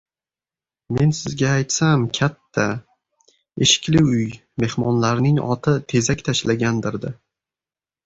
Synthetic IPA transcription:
me̞nsɪzɡʲaːjt̪samkʲʰat̪ʰːa | eʃɪ̥kʲlɪʊj | me̞hmɒnlaɾnɪŋɒ̰t̪ʰɪt̪ʰe̞zakʲt̪ʰaʃlaɡʲand̪ɪɾd̪ɪ

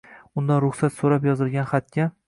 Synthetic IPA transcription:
ʊnd̪anɾʊχsat̪soɾapjɒzɪlˠɡʲanχat̪̚kʲa

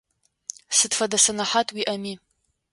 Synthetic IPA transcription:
sɨdfadasanaħatʼwiʔami

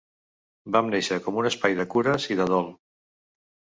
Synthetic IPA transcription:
bamneʃəkɔmunəspajðəkuɾəziðəð̞ɔlˠ

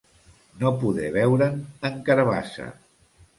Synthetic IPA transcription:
nopuðɛβɛwɾənəŋkəɾəβa̰sə̰

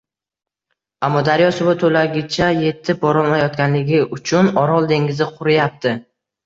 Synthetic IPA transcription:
amːɒd̪aɾjɒsʊbʊt̪ʰolaɡʲɪt͡ʃʰaje̞t̪ʰːɪp̚bɒɾɒlˠmajɒt̪kʲanlɪɡʲɪʔʊt͡ʃʰʊnɒɾɒlˠd̪e̞ŋɡʲɪzɪqʰʊɾɪjap̚t̪ʰɪ

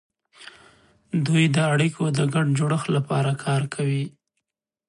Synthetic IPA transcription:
d̪ujd̪əaɽikʰod̪əɡaɖd͡ʒoɽəxlapɑɾakʰɑɾkʰawi

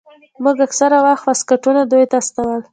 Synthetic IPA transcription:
muɡaksaɾawaxt̪waskaʈunad̪ujt̪ast̪awəl

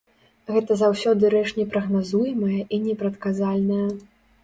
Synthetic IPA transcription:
ɣɛt̪ɐzawsʲɔd̪ɨɾɛʂnʲɛpɾɐɣnazujmɐjɐʔinʲɛpɾɐt̪kazalʲnɐjɐ

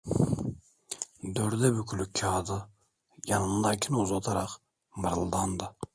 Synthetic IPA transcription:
d̪øɾd̪ɛbykʰylykʲʰːɑːd̪ɯ | jɑnɯnlˠɑkʲʰinuzɑt̪ʰɑɾɑq | mɨɾlˠd̪ɑnd̪ɯ

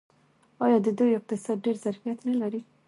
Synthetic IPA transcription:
ɑjɑd̪əd̪ojɪk̚t̪ɪsɑd̪̚ɖeɾzaɾfijat̪nalaɾi

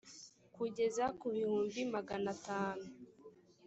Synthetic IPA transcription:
kuɟe̞zakuβihuːmbimaɡanataːnu

